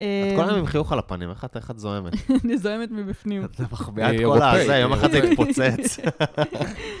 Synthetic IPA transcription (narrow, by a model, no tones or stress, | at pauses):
ḁkolajomimχiuχalapanimeχateχat̪zoemetnizoemet̪mibifnimt̪emaχbiaet̪kolazeajomaχadzeit̪pot͡set͡s